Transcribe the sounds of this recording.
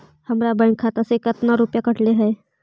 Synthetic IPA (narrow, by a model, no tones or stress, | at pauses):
həmɾabə̃kʰat̪əsekət̪naɾupjakəʈleɦəj